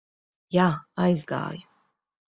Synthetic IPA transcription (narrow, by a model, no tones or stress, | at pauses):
jaajzɡa̰ːj